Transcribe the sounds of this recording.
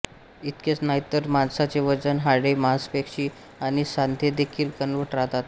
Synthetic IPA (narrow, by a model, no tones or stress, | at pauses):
it̪ket͡snajt̪əɾmansat͡seʋəd͡zənɦaɽemanspekɕiː | aɽ̃isand̪ʱjed̪ekʰiːlkənʋəʈɾaɦt̪at̪